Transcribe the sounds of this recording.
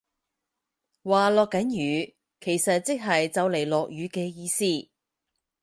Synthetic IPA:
waː˨lɔː˨˧kːɐ˨˥njyː˨˧ | kʰe˨˩jsɐ˨t̚t͡sɪ˥k̚ɦɐ˨jt͡sɐ˨˧wle˨˩jlɔː˨k̚jyː˨˧kɛː˧jiː˧siː˥˩

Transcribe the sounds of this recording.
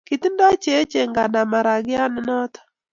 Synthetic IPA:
ki˨t̪nda˦t͡ʃe˨˦t͡ʃe˨ŋɡa˨na˨ma˨ɾa˨ɡɪ˦a˦n˦nɔ˦t̪

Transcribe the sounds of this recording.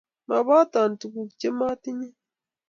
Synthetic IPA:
ma˨βa˦ta˨ntu˨ku˨kt͡ʃe˦ma˦ti˦ɲe˦

